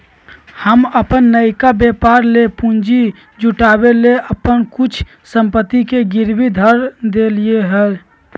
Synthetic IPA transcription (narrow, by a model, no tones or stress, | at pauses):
həməpənːəɪkabepaɾlepund͡ʒi | d͡ʒuʈabeleʔəpənkut͡ʃʰ | səmpət̪ːikeɡiɾbid̪ʱəɾd̪elieɦə